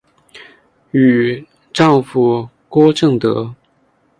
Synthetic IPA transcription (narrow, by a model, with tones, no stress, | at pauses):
y˨˩ | ʈ͡ʂɑ˥˧ŋfu˨˩ | kwɔ˥ʈ͡ʂɤ˥˩ŋt̪ɤ̰˧˥